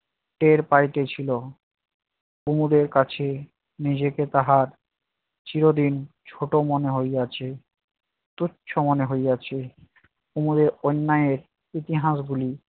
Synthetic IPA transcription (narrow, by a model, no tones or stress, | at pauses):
ʈeɾpajʈet͡ɕʰilo | umud̪eɾkat͡ɕʰe | nid͡ʑeket̪aɦaɾ | t͡ɕiɾod̪in | t͡ɕʰoʈomoneɦojɡat͡ɕʰe | t̪uːɕʰomoneɦojɡat͡ɕʰe | umud̪eɾonːajeɾ | it̪iɦaʃɡuli